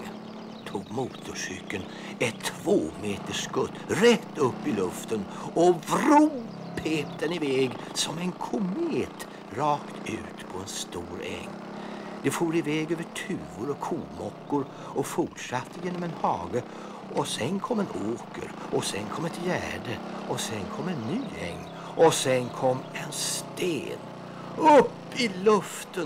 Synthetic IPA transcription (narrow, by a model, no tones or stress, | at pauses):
t̪ʰuːɡmuːt̪ʊʂʏkːən | ɛt̪ʰːv̥oːmeːt̪əʂkɵt̪ːɾɛt̪ːɵpːɪlɵft̪ən | ɔvɾuː | pʰeːt̪ʰəɳɪvɛːɡ | sɔmɛnkʰʊmeːt̪ | ɾɑːkt̪ʰʉ̟̰ːt̪pʰɔɛnst̪uːɾɛ̰ŋː | d̪̥ɛfoːɾɪvɛːɡøːvəʈʰʉ̟ːvʊɾɔkʰuːmɔkːʊɾ | ɔfʊʈʂat̪ʰːəjeːnɔmɛnhɑːɡə | ɔsɛnkʰɔmːɛnoːkə̰ɾɔsɛnkʰɔmːɛt̪jæ̰ːɖə | ɔsɛnkʰɔmːɛnːyːɛ̰ŋːn | ɔsɛnkʰɔmːɛnst̪ḛːn | ɵpːɪlɵft̪ən